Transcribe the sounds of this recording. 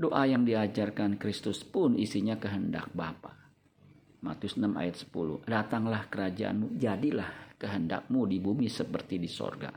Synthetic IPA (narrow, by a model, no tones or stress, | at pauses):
doʔajaŋdiad͡ʒarkankɾist̪ʊspʊnʔisiɲakəɦənda̰k̚bapa | mat̪jʊsənama̰jat̪̚sə̥pulʊ̰hdat̪aŋlahkəɾad͡ʒa̰ʔa̰nmud͡ʒadilahkəɦənda̰k̚mudibumisəpərt̪idiso̰rɡa̰